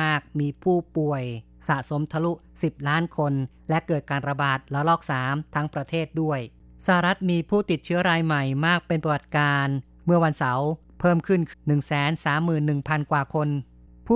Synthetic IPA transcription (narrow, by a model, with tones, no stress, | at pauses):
aː˥˩k̚miː˧pʰuː˥˩pu˨˩əj | sa˨˩ʔso˩˦mt̪ʰa˧lu˦˥ʔ | si˨˩p̚laː˦˥nkʰo˧n | lɛ˦˥ʔkɤː˨˩t̪̚kaː˧nɾa˧baː˨˩t̪̚la˧˦lɔː˥˩k̚saː˩˦mt̪ʰa˦˥ŋpɾa˧t̪ʰeː˥˩t̪̚du˥˩əj | sa˧ɦa˨ɾa˦˥t̪̚miː˧pʰuː˥˩t̪i˨˩t̪̚t͡ɕʰɯ˦˥ɐɾaː˧jma˨˩jmaː˥˩k̚pe˧npɾa˧wa˨˩t̪̚kaː˧n | mɯ˥˩ɐwa˧nsa˩˦w | pʰɤː˥˩mkʰɯ˥˩nkʰnɯ˨˩ŋsɛː˩˦nsaː˩˦mːɯː˨˩nːɯ˨˩ŋpʰa˧nkwaː˨˩kʰo˧n | pʰuː˥˩